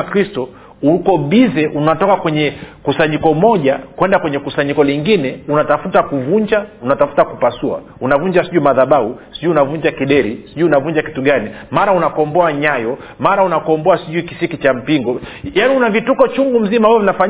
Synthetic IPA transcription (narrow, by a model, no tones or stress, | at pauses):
kɾistɔ | ukɔɓizɛʔunatɔkakwɛɲɛkusaɲikɔmɔʄakwɛndakwɛɲɛkusaɲikɔliŋɡinɛunatafutakuvuɲd͡ʒaunatafu̥takupasua̰ | unavuɲd͡ʒasiʄuimaðaɓahusi̥ʄuiunavuɲd͡ʒakiɗɛɾisiʄuiunavuɲd͡ʒaki̥tuɡanimaɾaunakɔmbɔaɲajɔ | maɾaunakɔmbɔasiʄuiki̥sikit͡ʃam̩piŋɡɔjaniunavitukɔt͡ʃuŋɡum̩zimabavɔvinafa